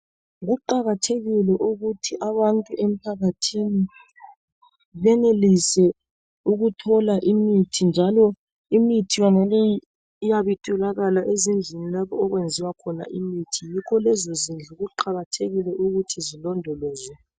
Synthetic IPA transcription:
ɣuǃaɣatʰeɣilɛʔuɣutʰiʔaβantʼuʔem̩pʰaɣatʰini | βɛnelisɛ | uɣutʰɔlaʔimitʰind͡ʒʱalɔ | imitʰijɔnaleji | ijaβitʼɔlaɣalaʔezind͡ɮʱinilaβɔːɣwend͡zʱiwakʰɔna̰ʔimitʰijikʰɔlɛzozind͡ɮʱuɣuǃaɣatʰeɣilɛʔuɣutʰizilɔndʱɔlɔːzwɛ

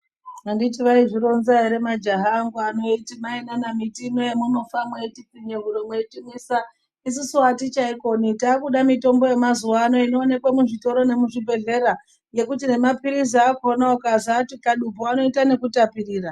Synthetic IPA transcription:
anditiʋaiʐiɾo̞nzaiɾe̞mad͡ʒaɦaːŋɡuano̞itimaenanamitimojemuno̞famwaitipiɲeɦuɾomweetimisa | is̬usuatit͡ʃaiko̞nitaːkuɗamito̞mbo̞je̞mazuwaːno̞ino̞ːne̞kwamuʐito̞ɾo̞ne̞muʐibʱe̞ɮe̞ɾa | je̞kut̬ine̞mapiɾiziakonaokazatikaɗupoano̞itane̞kutapiɾiːra

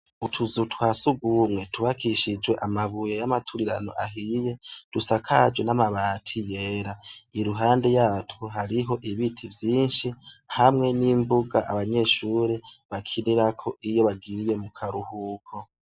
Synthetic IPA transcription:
utʰuzutwaːsuɡumŋe̞tʰuβakʰiʃid͡ʒwe̞ʔamaβujejamatʰuɾiɾa̰no̞̰ʔaɦijed̥usakʰad͡ʒwe̞namaβaːtʰije̞ːɾaiɾuɦaːnde̞jaːtʰuɦaɾiɦo̞ʔiβitʰivjiːnʃihamŋe̞nimbuɡaʔaβaɲe̞ːʃuːɾe̞βakʰiniɾakʰo̞ʔijo̞βaɡiɾije̞mukʰaɾuhukʰo

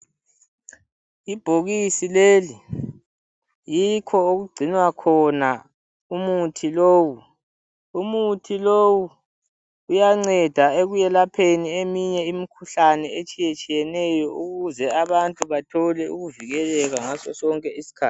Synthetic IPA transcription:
ib̥ʱoɣisileli | jikʰɔoɣuɡ͡ǀʱinwakʰɔna | umutʰiloːwu | umutʰilowuː | jaŋ͡ǀɛd̥ʱaeɣujɛlapʰeniemiɲɛimikʰuɬanɛet͡ʃʼijet͡ʃʼijɛnɛjɔuɣuzɛaβantʼuβatʰɔlɛṵɣuviɣɛlɛɣaŋasɔsɔŋkʼɛisi̥kʰaːtʰi

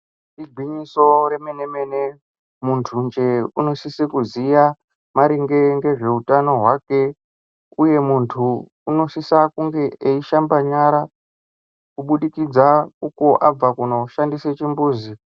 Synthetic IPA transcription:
iɡʱwiɲiso̞ɾemeneme̞ne | muntʰund͡ʒe̞uno̞sisikuzija | maɾiŋɡe̞ŋɡe̞ʐe̞utano̞ɦwake̞ | uje̞muntʰuː | no̞sisakuŋɡe̞eiʃambaɲaɾa | kuɓuɗikid͡zauko̞ʔab͡vakuno̞ʃandiset͡ʃimbuːzi

